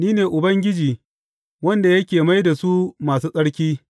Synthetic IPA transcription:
niː˦neː˨ʔʊ˨bɐ˦ŋɡʲɪ˦d͡ʒiː˨ | wɐ˦nda˨jɐ˦kʲeː˨ma˦jda˨su˦maː˨suː˦sʼɐ˦ɽkʲiː˦

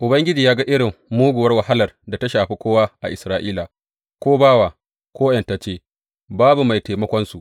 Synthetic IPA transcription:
ʔʊ˨bɐ˦ŋɡʲɪ˦d͡ʒiː˨jaː˦ɡa˦ʔɪ˦ɽɪ˨mːuː˦ɡʷʊ˨wɐ˦rwa˨ɦa˦lɐ˨rda˨ta˦ʃaː˨ɸiː˦kʷoː˦waː˦ʔa̰˨ʔɪ˨sɾaː˦ʔiː˦la˨ | kʷoː˦baː˦waː˨ | kʷoː˦jɛ˨nta˨t͡ʃeː˦˨ | baː˦bu˨ma˨jteː˨mɐ˦kʷɔ˦nsu˨ʔ

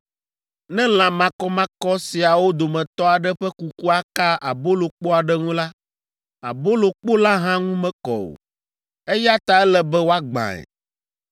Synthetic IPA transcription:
nɛ̃˦l̃ã˨mã˨kɔ˦mã˦kɔ˦si˨a˨wo˦d̪o˨mɛ̃˨t̪ɔ˦a˨ɖɛ˦ɸɛ˦ku˨ku˦a˦ka˦ʔa˨bo˦lo˨k͡po˦a˨ɖɛ˦ŋũ˦la˦ | a̰˨bo˦lo˨k͡po˦la˦ɦã˦ŋũ˦mɛ̃˦kɔ̰˨o̰˨ | e˦ja˦t̪a˨ɛ˦lɛ˨bɛ˦wo˦a˦ɡ͡bã̰˨ɛ̰˨

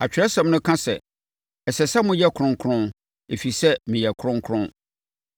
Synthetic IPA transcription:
a˨t͡ɕᶣɪ˨ɾɛ˦sɛ̃˨m˦nʊ̃˦kʰã˦sɛ̰˨ | ɛ˨sɛ˨sa˦mʊ̃˦jɛ˦kʰɾʊ̃˦ŋ˦kʰʊ˦ɾʊ̃˦n | e˨fi˨sɛ˦mĩ˨jɛ˨kʰɾʊ̃˦ŋ˦kʰɾʊ̃˦

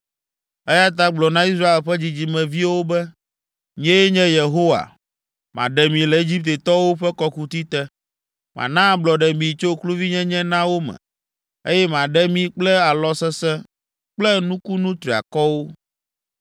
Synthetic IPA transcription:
ɛ˦ja˦t̪a˦ɡ͡blɔ˨nã˦i˦s̬ɾa˦e˨lɸɛ˦d͡ʑi˨d͡ʑi˨mɛ̃˨vi˦wo˦bɛ˦ | ɲɛ̃˦ɲɛ̃˦je˨ɦo˦wa̰˨ | mã̰˨ɖɛ˨mĩ˨lɛ˨e˦d͡ʑi˦p̚t̪e˨t̪ɔ˦wo˦ɸɛ˦kɔ˦ku˦t̪i˦t̪ɛ˦ | mʔã̰˨nã˦blɔ˨ɖɛ˨mĩ˨t͡ʃo˦klu˦vi˦ɲɛ̃˦ɲɛ̃˦nã˦wo˦mɛ̰̃˨ | e˦jɛ˦mã˨ɖɛ˦mĩ˦k͡plɛ˦a˨lɔ˦sɛ˦sɛ̃˦ | k͡plɛ˦nũ˦ku˦nũ˦t̪ɾi˨a̰˨kɔ˦wo˦

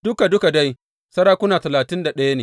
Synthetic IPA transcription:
d̥ʊ˦ka˨dʊ˦ka˨da˦j | sɐ˦ɽaː˦kʷʊ˦naː˨tɐ˨laː˨tɪ˦nda˨ɗɐ˦ja˦neː˨

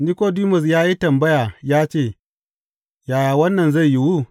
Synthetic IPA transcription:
ni˦ko˦diː˦mʊ˨s̬jaː˦ji˦tɐ˨mbɐ˦jaː˨jaː˦t͡ʃeː˦˨ | jaː˨jaː˨wɐ˦nːɐ˨nzɐ˦˨ji˦wu˦

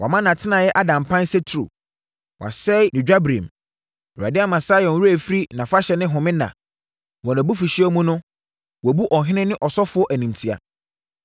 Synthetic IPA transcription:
wʔa̰˨mã˦nã˨tʰɪ˦nã˨jɛ˦ʔa˦dã˨m˨pʰã˦n˦sɛ˦tʰɾṵ˨ | wʔa̰˨sɛ˦nɪ̃˨d͡ʑᶣa˦bɾḭ̃˨m˨ | a̰˨dɪ˦a˦mã˨saː˦jɔ̃˨n˦wu˦æ˨fɾi˦nã˨fa˦ɕɛ˨nɪ̃˦ɦʊ̃˨mɪ̃˦nã̰˨ | wɔ̃˨nã˨bu˦fi˨ɕi˦ɛ˦mũ˦nʊ̃˦ | wɔ˨bu˦ʔɔ˨ɦɪ̃˦nɪ̃˦nɪ̃˦ʔɔ˨sɔ˦fʊ˨˦ɔ˦ʔæ˨nĩ˨mtʰi˦a̰˨

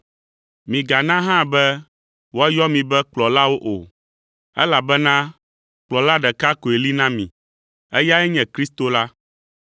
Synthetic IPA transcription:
mĩ˨ɡa˨nã˦ɦã˦bɛ˦ | wo˦a˦jɔ˦mĩ˨bɛ˦k͡plɔ˨la˦wo˦ʔo̰˨ | ɛ̰˦la˨bɛ˦nã˦ | k͡plɔ˨la˦ɖɛ˨ka˦ko˨e˨li˦nã˦mḭ̃˨ | ɛ˦ja˦ɛ˦ɲɛ̃˨kɾi˦st̪o˦la˦

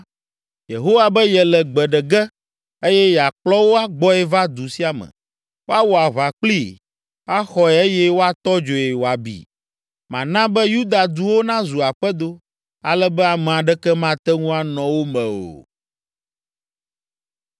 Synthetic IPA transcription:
je˨ɦo˦wa˨bɛ˦jɛ˨lɛ˨ɡ͡bɛ˨ɖɛ˨ɡɛ˦ | e˦jɛ˦ja˨k͡plɔ˦wo˦a˦ɡ͡bɔ˦ɛ˦va˦d̪u˨si˦a˨mɛ̰̃˨ | wo˦a˦wɔ˨a˨βa˨k͡pli˦ | a˦xɔ˦ɛ˨e˦jɛ˦wo˦a˦t̪ɔ˦d͡ʒo˨jɛ˨wo˨a˨bḭ˨ | mã˨nã˦bɛ˦ju˦d̪a˨d̪u˦wo˦nã˦zu˨a˨ɸɛ˦d̪o˦ | a̰˨lɛ˦bɛ˦a˨mɛ̃˨ã˨ɖɛ˦kɛ˦mã˦t̪ɛ˦ŋũ˦a˨nɔ̃˨wo˦mɛ̃˨o̰˨

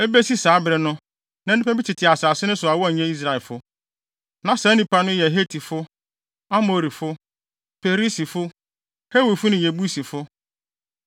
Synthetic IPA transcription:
e˦be˦si˦saː˨˦bɾɛ˨nʊ̃˦ | nã˦ɪ˦pʰã˦bi˦t͡ɕʰɪ˨tʰɪ˨a˨saː˨sɪ˦nʊ̃˦sʊ˨a˨wɔ˦˨ɲɛ̃˦i˦s̬ɾa˨ɛ˨lfʊ˦ | nã˨sa˨˦nĩ˨pʰa˨nʊ̃˦jɛ˨ɦe˦tʰi˨fʊ˦ | a˦mo˨ɾi˨fʊ˦ | pe˨ɾi˦si˨fʊ˦ | he˦wi˨fʊ˦nɪ̃˨je˨bu˦si˨fʊ˦

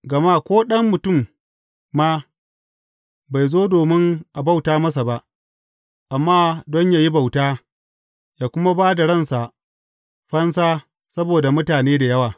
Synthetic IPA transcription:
ɡɐ˨ma˦kʷoː˦ɗɐ˦mːʊ˨tʊ˦˨mː | aː˦ | ba˨jzoː˦doː˨mɪ˦ŋʔa˨ba˦˨wtaː˦mɐ˦s̬a˨ba˦ʔ | ʔa˨mːaː˦dɔ˦ɲjaː˨ji˦ba˨wtaː˦ | jaː˨kʷʊ˦ma˦baː˦da˨ɽɐ˦˨nsa˨ʔ | ɸɐ˦nsaː˦ | sɐ˦boː˨da˨mʊ˦taː˨neː˦da˨jɐ˦waː˨

